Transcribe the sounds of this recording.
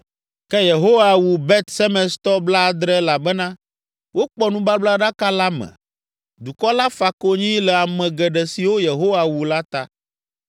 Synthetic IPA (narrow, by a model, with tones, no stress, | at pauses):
kɛ˦je˨ɦo˦wa˨wu˨bɛ˦t̪sɛ˦mɛ̃˨st̪ɔ˦bla˦˨d̪ɾɛ˦la˨bɛ˦nã˦ | wo˦k͡pɔ˦nũ˦ba˦bla˦ɖa˦ka˦la˦mɛ̰̃˨ | d̪u˨kɔ˦la˦fa˨ko˦ɲĩ˦lɛ˨a˨mɛ̃˨ɡɛ˨ɖɛ˨si˨wo˦je˨ɦo˦wa˨wu˨la˦t̪a̰˦